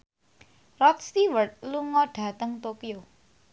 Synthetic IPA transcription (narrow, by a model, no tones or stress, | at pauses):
rɔt̪̚st̪iwərt̪̚luŋɔɖ̥ä̤t̪əŋt̪okio